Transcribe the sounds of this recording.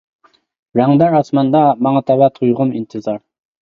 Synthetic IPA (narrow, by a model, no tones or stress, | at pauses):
ɾæŋd̪æɾɑsmɑnd̪ɑmɑŋɑt̪ʰæwæt̪ʰujʁʊmint̪ʰɨzɑɾ